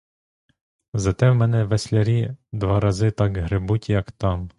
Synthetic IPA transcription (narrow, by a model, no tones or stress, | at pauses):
zɛt̪ɛmmɛnɛʋɛsʲlʲɛɾʲiːd̪ʋaɾazɪt̪aɡɦɾɪbutʲjakt̪am